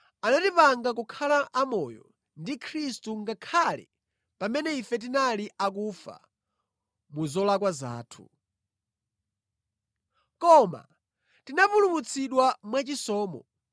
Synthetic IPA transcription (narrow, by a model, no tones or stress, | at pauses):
anatipaŋɡakukʰalaʔamɔjɔ̰ | ndikʰɾistuŋɡakʰalɛ̰ | pamɛnɛifɛt̬inaliʔak̬ufa̰ | muzɔlakwaza̰ːtʰu̥̰ | kɔma̰ | tinapulumut͡sʰiɗwamwat͡ʃisɔːmɔ